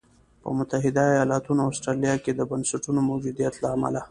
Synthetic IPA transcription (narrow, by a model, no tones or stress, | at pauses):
pə̰mʊt̪aɦɪd̪aːjɑlɑt̪unoasʈɾalijɑked̪əbansaʈunomawd͡ʒud̪ijat̪laːma̰la